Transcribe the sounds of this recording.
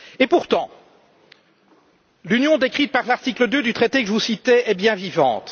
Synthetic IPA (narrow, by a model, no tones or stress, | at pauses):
epuʁt̪ɑ̃ | lynjɔ̃d̪ekχit̪̚paʁlaʁt̪ikləd̪ød̪yt̪χet̪ekəʒəvusit̪ɛɛbjɛ̃vivɑ̰̃t̪